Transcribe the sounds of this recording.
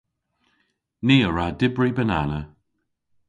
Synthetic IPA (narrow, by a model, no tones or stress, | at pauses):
neːəɹaːdɪbɹibəna̰nə